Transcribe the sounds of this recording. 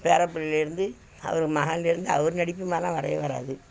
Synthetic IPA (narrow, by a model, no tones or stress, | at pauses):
peːɾɐpːɐɭɪlɪɾɯnd̪ɯ | ɐ̰ʋɐɾɯmɐɣɐnɪlɪɾɯnd̪ɯɐʋɐɾɯnɐɽɪpːɯmaːlãːʋɐɾɐ̰jɐʋɐɾa̰ːðɯ